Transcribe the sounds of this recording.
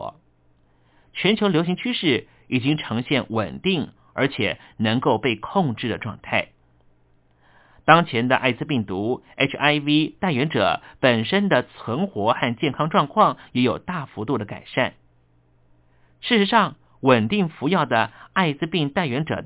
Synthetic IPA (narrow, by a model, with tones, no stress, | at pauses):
t͡ɕʰɥɛ˧˥nt͡ɕʰjo˧˥ljo˧˥ʊɕi˧˥ŋt͡ɕʰy˥ʂɻ̩˥˩ | i˨˩t͡ɕi˥ŋʈ͡ʂʰɤ˧˥ŋɕjɛ˥˩nwə̰˨˩nt̪i˥˩ŋ | ə˞˧˥t͡ɕʰjɛ̰˨˩nɤ˧˥ŋko˥˧ʊpe˥˧ɪkʰʊ˥˧ŋʈ͡ʂɻ̩˥˩d̪ə˩ʈ͡ʂwɑ̰˥˧ŋt̪ʰa˥˩ɪ | t̪ɑ˥ŋt͡ɕʰjɛ˧˥nd̪ə̰˧ʔa̰˥˧ɪt͡sɹ̩˥˧pi˥˩ŋt̪u˧˥ | e˥ʈ͡ʂʰa˥ɪvi˥t̪a˥˩ɪɥɛ˧˥nʈ͡ʂɤ̰˨˩˦pə˨˩nʂə˥nd̪ə˨t͡sʰwə˧˥nxwɔ˧˥xa˥˧nt͡ɕjɛ˥˩nkʰɑ˥ŋʈ͡ʂwɑ˥˧ŋkʰwɑ˥˩ŋjɛ˧˥jo˨˩ʊt̪a˥˩fu˧˥t̪u˥˩d̪ə˩ka̰˨˩ɪʂa˥˩n | ʂɻ̩˥˩ʂɻ̩˧˥ʂɑ˥˩ŋ | wə˨˩nt̪i˥˩ŋfu˧˥jɑ˥˩ʊd̪ə˩a˥˧ɪt͡sɹ̩˥pi˥˧ŋt̪a˥˩ɪɥɛ˧˥nʈ͡ʂɤ̰˨˩